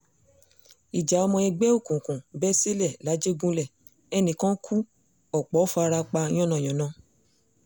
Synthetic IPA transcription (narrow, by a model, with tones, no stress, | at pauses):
i˨d͡ʒa˨ɔ˧mɔ̃˧i˧ɡ͡bɛ˦o˦˨kũ˨kũ˨bɛ˦si˦lɛ˦˨la˨˦d͡ʒe˦ɡũ˦lɛ˦˨ | ɛ˧nĩ˨kã˦kʰu˦ | ɔ˨k͡pɔ˨˦fa˧ɾa˧k͡pã˧˦ɔ̃˦˨nã˨j̃ɔ̃˨nã˨˦